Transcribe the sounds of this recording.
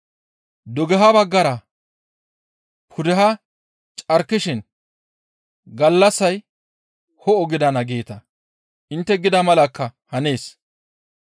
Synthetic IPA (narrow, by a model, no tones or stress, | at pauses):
d̪ɔɡɛɦɐbɐɡːɐɾɐ | pʰʊd̪ɛɦɐ | t͡ʃʼɐɾkːɪʃɪn | ɡɐlːɐsːɐj | hɔɔɡɪd̪ɐnɐɡeːt̪ɐ | ʔɪnt̪ːɛɡɪd̪ɐmɐlɐkːɐhɐne̞ːs